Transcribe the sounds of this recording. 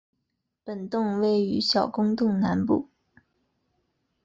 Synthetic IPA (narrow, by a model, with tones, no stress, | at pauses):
pə˨˩nt̪ʊ˥˧ŋwe˥˩ɪy˧˥ɕjɑ˨˩ʊkʊ˥ŋt̪ʊ˥˩ŋna˧˥npṵ˥˩